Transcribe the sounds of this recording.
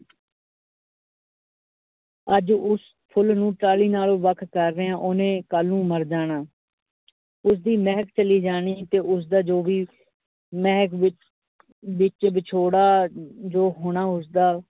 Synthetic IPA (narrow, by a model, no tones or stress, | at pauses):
əd͡ʒʊs | pʰʊlnũːʈaːliːnaːlõːʋəkʰkəɾːeːãːʔʊnẽːkaːlːũːməɾd͡ʒaːɽ̃aː | ʊs̬d̪iːmɛːɦkt͡ʃəliːd͡ʒaːɽ̃iːt̪eːʔʊs̬d̪aːd͡ʒoːʋiː | mɛːkɪ | ʋɪt͡ʃbɪt͡ʃʰoːɽaːd͡ʒoːɦoːɽ̃aːʊsd̪aː